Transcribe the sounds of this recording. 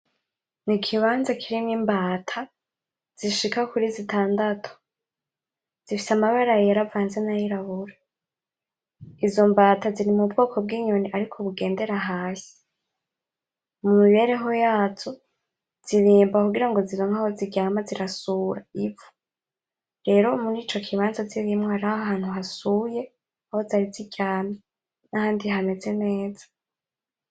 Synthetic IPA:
nikʰiβaːnzakʰiɾimŋimbaːtʰa | z̥iʃikakuɾizitʰaːndatʰo̥ | z̥ifisamaβaɾajijaɾavaːnzenajiɾaβuɾa | izo̞mbaːtaziɾimub̚ɡo̞ːkʰo̞b̚ɡiːɲo̞niʔaɾikʰoβuɡe̞ːnde̞ɾaɦaːsi̥ | mumiβe̞ːɾe̞ɦo̞jaːzo̞ | z̥iβiːmbakuɡiɾaŋɡo̞ziɾoŋahoziɟaːmaziɾasuːɾaivu̥ | ɾe̞ːɾo̞muɾiːt͡ʃo̞kʰiβaːnzaziβimŋwohaɾahaɦaːn̥huɦasuje̞ | ahozaɾiziɟaːma | nahaːndiɦame̞ze̞ne̞ːzḁ

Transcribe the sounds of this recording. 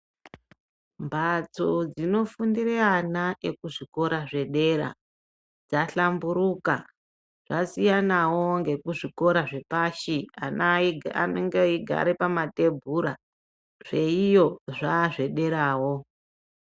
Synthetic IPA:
mbʱat͡sod͡zino̞fundireanaʔekuʐiko̞ɾaʐe̞ɗe̞ɾa̰ | d͡zaɬambuɾuka | ʐ̥asijanawo̞ŋɡe̞kuʐiko̞ɾaʐe̞paʃia̰na̰noŋɡeiɡʱa̰ɾepamate̞bʱuɾa | ʐe̞ijo̞ʐaːʐe̞ɗe̞ɾaːwo̞

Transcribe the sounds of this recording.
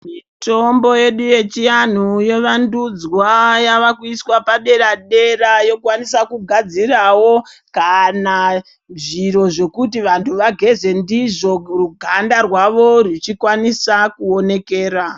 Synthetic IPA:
mi | to̞mbo̞je̞ɗuje̞t͡ʃijan̤uje̞ʋandud͡zwajaʋakuiswapaɗe̞raɗe̞rajo̞kuwanisakuɡʱad͡zirawo̞kana | ʐiro̞ʐe̞kutiʋantʰuʋaɡʱe̞ze̞ndiʐo̞ruɡʱandarwaʋo̞rit͡ʃikwanisakuo̞ne̞keːra

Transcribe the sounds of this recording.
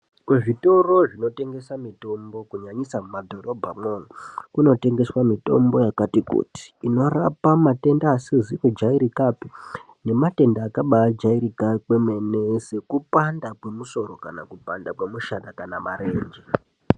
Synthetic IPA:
kweʐito̞ro̞ʐino̞te̞ŋɡe̞samito̞mbo̞kuɲaɲisamumadʱo̞ro̞bʱamwonokuno̞te̞ŋɡe̞swamito̞̰mbo̞jakatikṵti̥ːno̞rapamate̞ndaːsiziʋod͡ʒaiɾikapi | ne̞mate̞ndaːkaɓaad͡ʒaiɾikakwemenesekupandakwe̞muso̞ɾo̞ka̰na̰kupandakwemuʃatakanamare̞ːnd͡ʒe

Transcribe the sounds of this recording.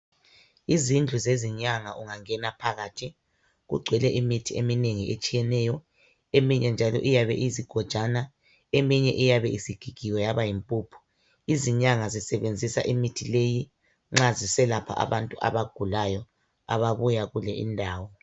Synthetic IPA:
izind͡ɮʱuzeziɲaŋaʔuŋaŋɛnapʰaɣaːtʰi | ɣṵɡ͡ǀʱwɛlɛʔimitʰiemineŋiʔet͡ʃʼijɛnɛjɔ | emiɲɛnd͡ʒʱalɔ̰ʔijaβɛ̰ʔiziɡ̥ʱɔd̥ʒ̥ʱana | emiɲɛ̰ʔijaβɛisiɡ̥ʱiɡ̥ʱiwɛjaβajimpʼuːpʰu̥ | iziɲaŋazisɛβend͡zʱisa̰ʔimitʰileji | ŋ͡ǁazisɛlapʰa̰ʔa̰βantʼuʔa̰βaɡ̥ʱulajɔ | a̰βaβujaɣulɛʔindʱaːwɔ

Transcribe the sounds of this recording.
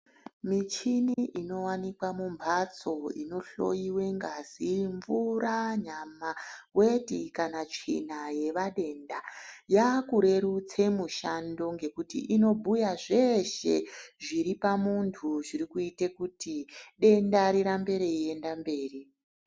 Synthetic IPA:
mit͡ʃiniʔino̞wanikwamumbʱat͡so̞ḭno̞ɬo̞̰jiwe̞ŋɡaziɱvuɾaɲamawe̞tikanat͡ʂḭnaje̞ʋaɗe̞ndajakuɾe̞ɾut͡se̞muʃando̞ŋɡe̞kutḭʔino̞bʱujaʐe̞ʃe̞̰ʐiɾipamuntʰuʐiɾikuitekutiɗe̞ndaɾiɾambe̞ɾeie̞ndambe̞ːri

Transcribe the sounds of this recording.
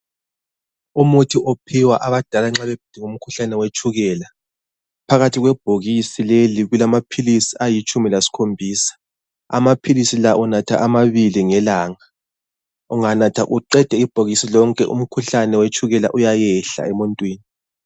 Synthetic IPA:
umutʰiʔopʰiwaʔaβad̥ʱalaŋ͡ǁaβɛb̥ʱid̥ʱiŋum̩kʰuɬanɛwet͡ʃʼuɣɛːla | pʰaɣatʰiɣwɛb̥ʱoɣisileliɣulamapʰilisiajit͡ʃʼumilasi̥kʰombʱiːsḁ | a̰mapʰilisilaʔunatʰa̰ʔamaβiliŋɛlaːŋa | uŋanatʰaʔuǃɛd̥ʱɛib̥ʱoɣisilɔŋkʼɛʔṵm̩kʰuɬanɛwet͡ʃʼuɣɛlaʔujajɛɬa̰ɛmuntʼwiːni

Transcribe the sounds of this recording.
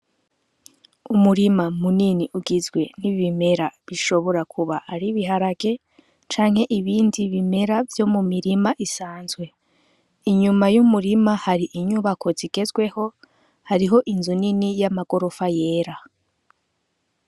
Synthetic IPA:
umuɾimamuniniʔuɡizɡwe̞niβime̞ɾaβiʃo̞βo̞ɾakʰuβaaɾiβiɦaɾaɡe̞ | t͡ʃaːŋhe̞ʔiβiːndiβime̞ɾavjo̞mumiɾimaʔisaːnzɡwe̞ | iɲumajumuɾimahaɾiʔiɲuβakʰo̞ziɡ̥e̞zɡwe̞ho̞ | haɾiɦo̞ʔinzuninijamaɡ̥o̞ɾo̞faje̞ːɾa

